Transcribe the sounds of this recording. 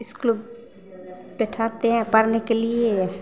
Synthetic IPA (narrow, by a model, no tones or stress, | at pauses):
ɪsklʊb | pɛʈʰaːt̪eɦɛ̃pəɾnekelie